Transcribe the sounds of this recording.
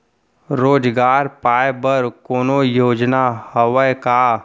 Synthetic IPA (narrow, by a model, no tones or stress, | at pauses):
ɾoːd͡ʒɡaːɾpaːjbəɾkoːnojoːd͡ʒnahəwəjkaː